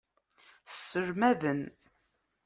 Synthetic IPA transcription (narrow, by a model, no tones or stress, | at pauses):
θəsːəɾmæðən